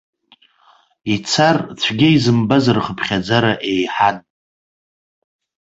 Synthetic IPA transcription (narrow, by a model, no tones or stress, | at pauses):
it͡sʰart͡sʷʰɡʲiizɨmbazarχəpʰχʲad͡zaɾaʔejħan